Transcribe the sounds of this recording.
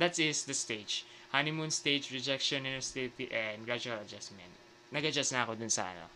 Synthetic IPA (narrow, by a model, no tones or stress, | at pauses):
d̪at̪sɪsd̪ɐst̪ed͡ʒ | hanɪmõnst̪ejd͡ʒɹɛd͡ʒɛkʃɔ̃nɪ̃nɛɹst̪ɪlɪt̪iʔɛnd̪ɡɹad͡ʒuɐlɐd͡ʒasmɛ̰̃nt̪̚ | nɐɡɐd͡ʒast̪nɐʔɐkod̪ʊnsɐ̰ʔɐ̰no̰